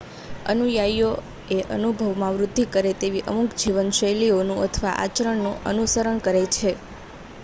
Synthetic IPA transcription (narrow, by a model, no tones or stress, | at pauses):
ə̰nujajo | eʔə̰nubʱəʋmãʋɾʊd̪ʱːikəɾet̪eʋiʔəmukd͡ʒiʋənʃəjlionũət̪ʰəʋaʔa̰t͡ʃəɾəɳnũʔə̰nusəɾəɳkəɾet͡ʃʰe